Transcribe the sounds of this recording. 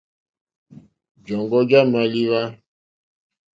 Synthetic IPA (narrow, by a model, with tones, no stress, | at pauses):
d͡ʒɔ˨ŋɡɔ˦ɡa˦ma˨li˦wa˦